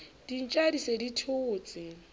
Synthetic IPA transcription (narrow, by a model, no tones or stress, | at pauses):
d̥in̩t͡ʃʼadiseditʰʊːt͡sʼɪ